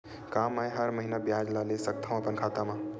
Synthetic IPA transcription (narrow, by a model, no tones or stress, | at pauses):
kamajɦəɾməɦinabjad͡ʒlalesək̚t̪ʰãməpənkʰat̪amã